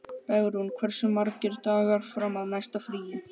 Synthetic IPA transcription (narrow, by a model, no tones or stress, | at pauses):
pɛɣɾɪhunkʰvɛɾ̥sʏmːaɾcɪɾt̪aːɣaɾ̥fɾamaðnajst̪afɾiːjɪ